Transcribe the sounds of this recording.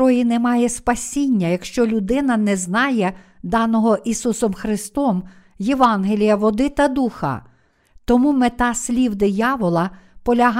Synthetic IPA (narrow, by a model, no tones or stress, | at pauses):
ɔjinɛmɑjɛspɐsʲinʲːɐjɐkʃt͡ʃɔlʲʊd̪ɪnɐnɛznɑjɛd̪ɑnɔɦɔʔisusɔmxɾɪst̪ɔm | jeʋɑnɦelʲijɐʋɔd̪ɪt̪ɐd̪uxɐ̰ | t̪ɔmumɪt̪ɑsʲlʲiwd̪ɪjɑʋɔlˠɐpɔlʲɐɦ